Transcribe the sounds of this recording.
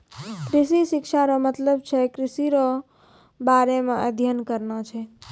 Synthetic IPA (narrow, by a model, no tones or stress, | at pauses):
kɾisisikʃaɾɔmət̪ləb̚t͡ʃʰɛkɾisiɾɔ | baɾemeəd̪ʱjənkəɾnat͡ʃʰɛ